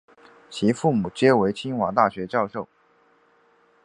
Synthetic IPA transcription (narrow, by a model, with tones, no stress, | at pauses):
t͡ɕʰi˧˥fu˥˩mu˨˩t͡ɕjɛ˥we˧˥ɪt͡ɕʰi˥nxwa˧˥ŋt̪a˥˩ɕɥɛ˧˥t͡ɕjɑ˥˧ʊʂo˥˩ʊ